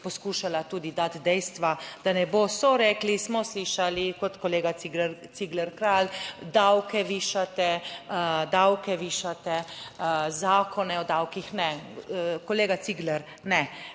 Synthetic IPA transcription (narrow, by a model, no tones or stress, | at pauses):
pɔskuːʃalat̪uːd̪id̪at̪d̪ɛjst̪ʋad̪̥anɛbosɔɾɛːklismɔsliːʃalikɔt̪kɔleːɡaiɡɾt̪siɡlɛɾkɾaːld̪awkɛʋiːʃat̪ɛ | d̪awkɛʋiːʃat̪ɛ | zaːkʰɔnɛɔd̪awkixnɛ | kɔleːɡat̪siɡlɛɾ | nɛ